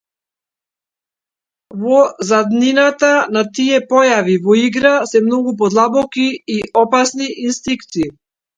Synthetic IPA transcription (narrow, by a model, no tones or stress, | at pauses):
vɔzad̪ninat̪anat̪iɛpɔjavivɔiɡɾasɛmnɔɡup̬ɔd̪lˠabɔkiːʔɔpasniʔinst̪ikt̪siː